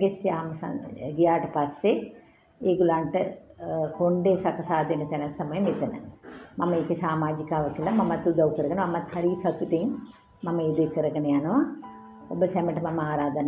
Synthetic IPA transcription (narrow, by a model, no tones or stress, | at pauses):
ɡesiaːmɐsɐ̰ɡijaːʈɐpɐsːe | eɡulɐɳʈɨkoɳɖeːsɐkɐsaːd̪enɐt̪enɐst̪ːɐmɐjɐmit̪ːɐnɐ̰mɐmːɐikisaːmaːd͡ʒikaʋɐkilɐmɐmːɐt̪ud̪ɐwkɐɾɡɐnɐmɐmːɐt̪ʰɐɾisʰɐk̪ut̪en | mɐmːɐed̪ekɐɾɐɡɐniɐnɐʋa | obɐsemeɳʈmɐmːɐaːɾaːd̪ɐnɐ